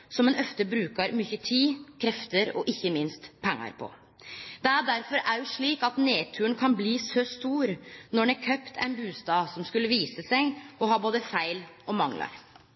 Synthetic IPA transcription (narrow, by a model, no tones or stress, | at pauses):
sɔmɛnʔœft̪əbɾʉːkɑɾmʏçət̪ʰiːkʰɾɛft̪əɾɔ̰ʔɪçːəmɪnst̪pʰɛŋːɑ̰ɾpʰɔ̰ | d̪ɛæɖæɾfɔɾæɾjʊʂɭiːkɑt̪neːt̪ʰʉːəɳkʰɑnbliːsɔst̪uːɾnɔɖ̪æɾkʰœpt̪ʰæ̰ɪnbʉːst̪ɑːsɔmskʉlːəʋiːsəsɛɡɔɦɑːboːd̪əfæɪlɔmɑŋlɑ̰ɾ